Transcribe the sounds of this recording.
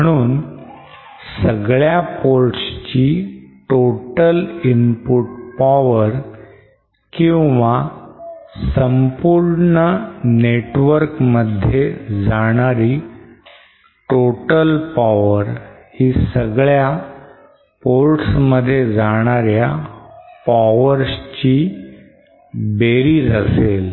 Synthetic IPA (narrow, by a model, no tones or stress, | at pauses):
əɽ̃uːn | səɡɭjapoɾʈst͡ɕiːʈoʈəlimpuʈ̚paʋəɾ | kĩw̃ʋa | səmpuɾɳəneʈʋəɾkməd̪ʱːjed͡zaɽ̃aɾiː | ʈoʈəlpaʋəɾhiːsəɡɭja | poɾʈsməd̪ʱːjed͡zaɽ̃aɾja | paʋəɾst͡ɕiː | beɾiːd͡zəsel